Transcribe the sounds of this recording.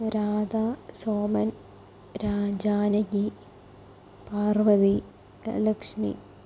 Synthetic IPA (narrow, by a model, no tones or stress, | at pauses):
ɾaːd̪aːsoːmɐn | ɾaːd͡ʑaːnɐɡi | paːrʋɐðḭ | lɐkʂmḭ